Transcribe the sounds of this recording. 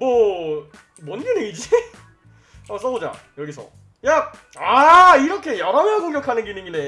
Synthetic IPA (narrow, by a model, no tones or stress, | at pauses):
mʌ | mʌnɡɯneid͡ʑi | ʌs͈ʌod͡ʑa̰ | jʌɡisʰʌ̰ | ja | aiɾʌkʰe̞jʌɾʌmjʌkoŋɡjʌkʰanɯnɡinɯŋine